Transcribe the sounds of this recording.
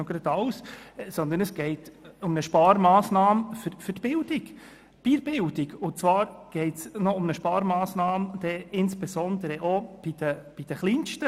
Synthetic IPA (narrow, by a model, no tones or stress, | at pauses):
oɡ̥ɾɑd̪ɑwssɔnd̪ənəsɡ̥ɛɪtʊmnəʃpɑːɾmɑːsnɑːmfʏfɵtb̥ɪld̥ɪɡ | b̥iːɾbɪldɪɡʊnt͡svɑːɾɡ̥ɛɪtsnɔʊmnəʃpɑːɾmɑːsnɑːmd̪̥ɛɪnsb̥ɛzɔnd̪əɾəʔob̥id̥əb̥id̥əχliːnʃtə